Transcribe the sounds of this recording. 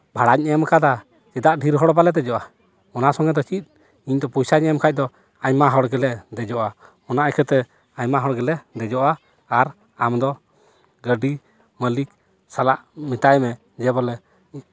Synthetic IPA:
bʱaɽaɲɛmkad̪a | t͡ʃɛd̪aʔɖʱiɾɦɔɽbalɛt̪ɛd͡ʒɔʔa | ɔnasɔŋɡɛd̪ɔt͡ʃit̪̚ˀ | iɲd̪ɔpujsaɲɛmkʰac̚d̪ɔ | aɲmaɦɔɽɡɛlɛd̪ɛd͡ʒɔʔa | ɔnaʔɛkʰɛt̪ɛ | aɲmaɦɔɽɡɛlɛd̪ɛd͡ʒɔʔaː | ɾ | amd̪ɔ | ɡəɖi | məlik̚ | salaʔmit̪aɛmɛ | d͡ʒɛbɔlɛ

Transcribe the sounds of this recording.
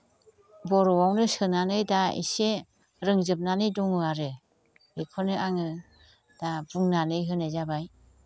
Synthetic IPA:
bɔɾɔwawnɯsɯnanɯjdaḭse | ɾɯŋzɯp̚nanɯjdɔŋɯaɾɯ | ekʰɔnɯʔaŋɯ | d̥abuŋnanɯjɦɯnajzabaj

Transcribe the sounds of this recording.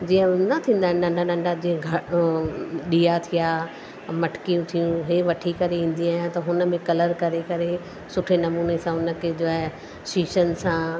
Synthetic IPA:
d͡ʑiːə̃nɐt̪ʰĩːn̆d̪aːɦɪnɐ̃ɳɖãɗɐ̃ɳɖad͡ʑĩɦə̃ɡʱɐ | ɗiːat̪ʰijaː | mɐʈʰkijũt̪ʰijũɦeʋɐʈʰikɐɾeĩːn̆d̪iaːjãt̪ɐɦʊnə̆mẽkɐləɾkɐɾekɐɾe | sʊʈʰenɐmuːnesãʊnə̆kʰed͡ʑoːaɦ | ʃiːʃən̆sã

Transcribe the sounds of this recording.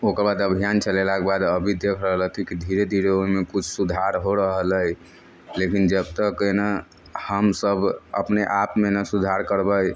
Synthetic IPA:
okəɾbad̪əbʱijant͡ʃʰəlelakebad̪əbʱid̪ekʰɾəɦələɦt̪ʰikid̪ʱiɾed̪ʱiɾeoimekut͡ʃʰsud̪ʱaɾɦoɾəɦələj | lekind͡ʒəbt̪əkːəna | həmsəbə̰pneʔapmenəsud̪ʱaɾkəɾbəj

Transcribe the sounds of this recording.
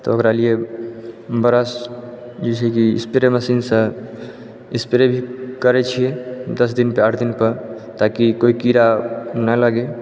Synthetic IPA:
t̪ɔokɾalie | bəɾəs | d͡ʒit͡ʃʰɛkḭːspeɾeməsinsə̃ | ispeɾebʱikəɾɛt͡ʃʰijed̪əs̬d̪inpeəʈʰd̪inpəɾ | t̪akikoikiɾanələɡe

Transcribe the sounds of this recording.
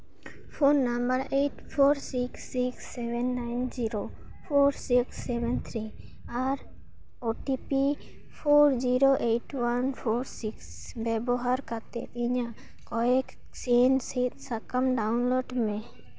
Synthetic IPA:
pʰonːambəɾeʈpʰoɾsiksːiksːɛbɛnːajnd͡ʒiɾo | pʰoɾsiksːɛbɛnt̪ʰɾi | aɾ | oʈipi | pʰoɾd͡ʒiɾoʔejʈwanpʰoɾsiks | bɛbɔɦaɾkat̪ḛt̪iɲa | kɔɛk | sensit̪̚sakamɖaʊnloɖmẽ

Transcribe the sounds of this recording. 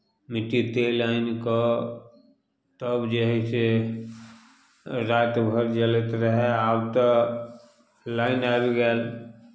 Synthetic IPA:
mɪʈit̪eːlaːɪnka | t̪əbd͡ʒəɦise | ɾaːt̪bʱəɾd͡ʒələt̪ɾəɦɛaːbt̪a | laːɪnaːbɡɛl

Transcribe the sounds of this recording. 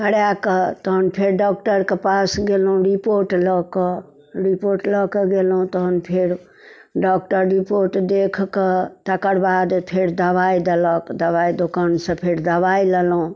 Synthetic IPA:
kəɽjakət̪ɔɦənpʰeɾɖɔk̚ʈəɾkepasɡelɦũɾipoɾʈlɔke | ɾipoɾʈlɔkeɡelɦũt̪ɔɦənpʰeɾ | ɖɔkʈəɾɾipoɾʈd̪ekʰket̪akəɾbad̪pʰeɾd̪əʋajd̪eləkd̪əʋaid̪okansə̃pʰeɾd̪əbajlelɦũ

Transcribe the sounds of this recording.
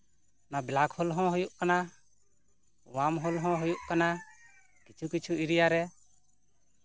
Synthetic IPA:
nabɛlakhɔlɦɔ̃ɦujuʔkana | wamɦɔlɦɔ̃ɦujuʔkana | kit͡ʃʰukit͡ʃʰuiɾijaɾɛ

